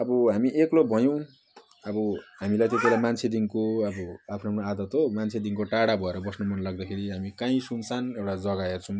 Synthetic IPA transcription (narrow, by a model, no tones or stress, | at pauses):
ʌbʌɦamiʔeklobʱʌjõw̃ | ʌbʌɦamilajt̪et̪ielajmant͡sʰed̪iŋkoʌbʌapʰnoʌpnoad̪ʌt̪ɦomant͡sʰed̪iŋkoʈaɽabʱʌeɾʌbʌsnomʌnlaɡ̚d̪akʰeɾiɦamikãĩsunt͡sʰanewʈad͡zʌɡaert͡sʰʌ̃